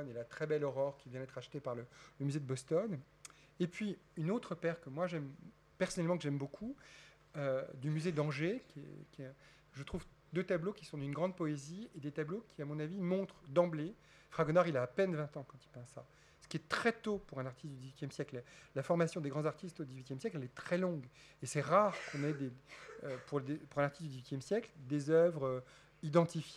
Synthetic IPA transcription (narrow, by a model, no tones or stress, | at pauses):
nelat̪χɛbɛlɔʁɔʁkʲivjɛ̃d̪ɛt̪χaʃt̪epaʁlələmyzed̪əbɔst̪ɔn | epɥiynot̪χəpɛʁkəmwaʒɛm | pɛʁsɔnɛlmɑ̃kəʒɛmbokʰu | ød̪ymyzed̪ɑ̃ʒekʲɛ̰kʲɛ | ʒət̪χuv | d̪øt̪ablokʲi̥sɔ̃d̪ynɡʁɑ̃d̪̚pɔezied̪et̪ablokʲʰiamɔ̃navimɔ̃t̪χd̪ɑ̃ble | fχaɡonaʁilaːpɛnvɛ̃t̪ɑ̃kɑ̃t̪i̥pɑ̃sːa̰ | sə̥kʲiɛt̪χɛt̪opuʁɛ̃naʁt̪ʰist̪d̪yd̪izɥit̪jɛmsjɛkllafɔʁmasjɔ̃d̪eɡʁɑ̃zaʁt̪ist̪od̪izɥit̪jɛmsjɛklɛlɛt̪χɛlɔ̃ɡ | esɛʁaʁkɔ̃nɛd̪eøpuʁd̪epuʁɛ̃laʁt̪ist̪̚d̪yd̪izɥit̪jɛmsjɛkld̪ezœvʁø | id̪ɑ̃t̪ifj